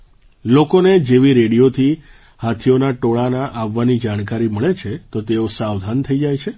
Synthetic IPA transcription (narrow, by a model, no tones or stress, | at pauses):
lokoned͡ʒeʋiɾeɽijot̪ʰi | hat̪ʰijonaʈoɭanaʔaʋːanid͡ʒaɽ̃kaɾiməɭet͡ʃʰet̪ot̪eosaʋd̪ʱant̪ʰəid͡ʒajt͡ʃʰe